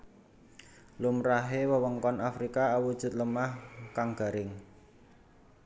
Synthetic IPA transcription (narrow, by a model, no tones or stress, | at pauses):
lumɾaɦewəwəŋkɔnafɾikaawud̥ʒ̥ʊ̤t̪̚ləmahkaŋɡ̥a̤ɾɪŋ